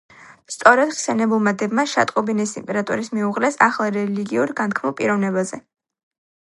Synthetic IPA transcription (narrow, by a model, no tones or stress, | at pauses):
st̪sʼɔɾɛd̪χsɛnɛbulˠmad̪ɛbmaʃa̰t̪ʼqʼɔbinisḭmpʼɛɾat̪ʼṵɾismiuʁlɛsaχlˠɾɛliɡiuɾɡankʰmɔpʼiɾɔvnɛbazɛ